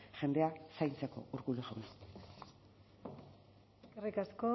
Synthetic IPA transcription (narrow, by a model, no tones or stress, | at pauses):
ʝe̞nd̪e̞asajnt͡seko̞̰uɾkuleɣona | erikasko